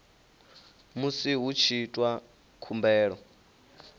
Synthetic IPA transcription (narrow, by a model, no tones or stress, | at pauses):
musiɦut͡ʃʰitʼwa | kʰumbɛːɺɔ